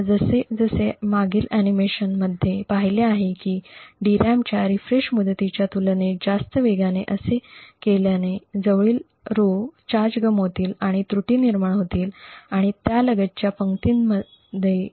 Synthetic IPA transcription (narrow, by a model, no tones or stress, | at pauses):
d͡zəsed͡zəsemaɡiːlænimeɕənməd̪ʱjepaɦiljeaɦekiːɖiɾamt͡ɕjaɾifɾeɕmud̪ət̪it͡ɕjat̪ulned͡zast̪əʋeɡaneʔəsekeljaned͡zəʋɭiːl | ɾot͡ɕaɾd͡ʑɡəmɦot̪iːlaɽ̃it̪ɾuʈiːniɾmaɳɦot̪iːlaɽ̃it̪jaləɡət̪̚t͡ɕjapəŋkt̪iːnmə | d̪ʱːje